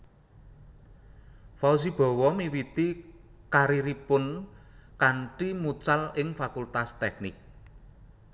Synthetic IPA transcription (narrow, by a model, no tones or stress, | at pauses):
faus̬ib̥ɔ̤wɔmiwit̪i | kaɾiɾipʊn | kaɳʈimut͡ʃalɪŋfakult̪ast̪ɛk̚nɪk̚